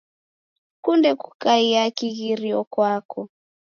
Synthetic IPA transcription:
kundɛku̥kaiakiɣiɾiɔkwakɔ

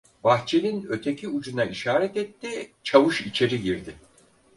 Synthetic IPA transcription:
baxt͡ʃʰeninø̞t̪ʰe̞cʰiud͡ʒunaʔiʃaːɾɛt̪ɛt̪ʰːit͡ʃʰavɯʃit͡ʃʰe̞ɾiɟiɾd̪ɪ

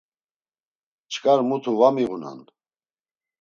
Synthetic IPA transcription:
t͡ʃʰkʼaɾmut̪ʰuvamiʁuna̰n

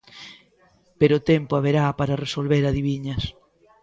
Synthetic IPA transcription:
peɾoːt̪ɛmpoaβeɾapaɾaresolβeɾaðiβiɲɐs

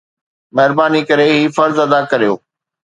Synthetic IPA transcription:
mɐɦɪɾbaːnikɐɾeɦiːfɐɾzɐd̪akɐɾijo̰ː

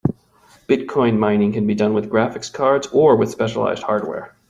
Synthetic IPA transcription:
b̥ɪt̚kʰɔ̃ɪ̃nmãɪ̃nɪ̃ŋkɨ̃nbidʌ̃nwɨðɡɹæfɨkskʰɑɹdzə˞wɨð̥spɛʃəlˠa̰ɪzd̚hɑɹd̚wɛ̰ɹ

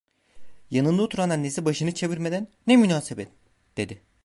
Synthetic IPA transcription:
janɯnd̪uot̪ʰuɾananːesibaʃɯnɯt͡ʃʰe̞viɾmed̪ænːɛmynaːsebɛt̪̚ | d̪̥e̞d̪ɪ

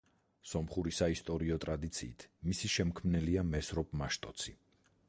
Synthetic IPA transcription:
sɔmχuɾisaist̪ʼɔɾiɔt̪ʼɾad̪it̪sʰḭːt̪ʰmisiʃɛmkʰmnɛliamɛsɾɔpʼmaʃt̪ʼɔt̪sʰi

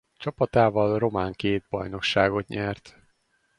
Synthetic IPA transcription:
t͡ʃɒpɒt̪aːvɒlro̞maːŋkeːd̪̚bɒjno̞kʃaːɡo̞t̪ɲɛrt̪

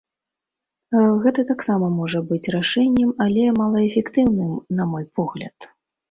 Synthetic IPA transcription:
ɣɛt̪ɐt̪aksamɐmɔʐɐbɨt͡sʲraʂɛnʲːɛmalʲɛmalˠɐɛfʲɛkt̪ɨwnɨmnamɔjpɔɣlʲɐ̰t̪

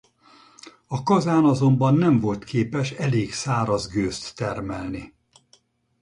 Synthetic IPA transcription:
ɒkɒzaːnɒzo̞mbɒnːɛɱvo̞lt̪kʰeːpɛʃɛleːɡsaːɾɒzɡøːst̪ːɛrmɛlni

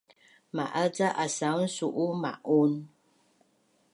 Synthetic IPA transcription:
ma̰ʔat͡saʔasan̩suʔuma̰ʔon

